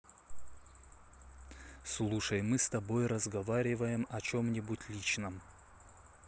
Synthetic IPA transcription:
slˠuʂəjmɨst̪ɐbojrəzɡɐvaɾʲɪvəjɪmɐt͡ɕomnʲɪbutʲlʲit͡ɕnəm

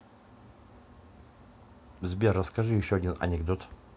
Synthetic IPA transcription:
zbʲerːəskɐʐɨjɪɕːoɐdʲinɐ̰nʲɪɡd̪ot̪

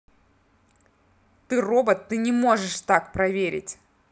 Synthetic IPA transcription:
t̪ɨro̞bət̪ːɨnʲɪmoʐɨʂt̪akpɾɐvʲeɾʲɪ̰tʲ

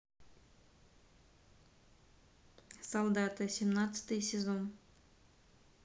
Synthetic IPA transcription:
sɐlˠd̪at̪ɨsʲɪmnat̪sɨ̥t̪ɨjsʲɪzon

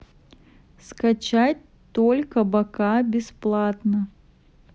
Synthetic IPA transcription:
skat͡ɕat̚ʲ | t̪olʲkəbakabʲɪsplˠat̪nə

